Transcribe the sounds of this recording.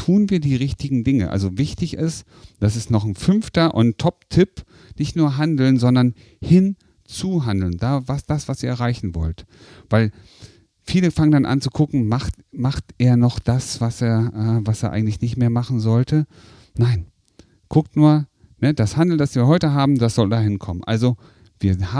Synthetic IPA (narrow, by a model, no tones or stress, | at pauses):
tʰuːnviːɐdiːʁɪçtɪɡŋ̩dɪŋəʔa̰lzovɪçtɪçɪst | d̥asɪstnɔχn̩fʏnftɐʔʊntʰɔp̚tʰɪp | nɪçtnuːɐɦandl̩nzɔndɐn | hɪn | t͡suɦandl̩nd̥aːvasd̥asv̥asiːɐɛʁaɪçn̩vɔ̰lt | v̥aɪl | fiːləfaŋəndanʔa̰nt͡sukʰʊkŋ̩maχt | maχtʔeːɐnɔχd̥asv̥aseːɐʔɛːvaseːɐʔaɪɡŋ̩tlɪçnɪçtmeːɐmaχn̩zɔltʰə | naɪn | ɡ̥ʰʊk̚tnuːɐ | nəd̥ashandl̩ndasv̥iːɐhɔʏtəɦaːbm̩d̥asz̥ɔldaːɦɪnkʰɔmənʔa̰lzo | v̥iːɐha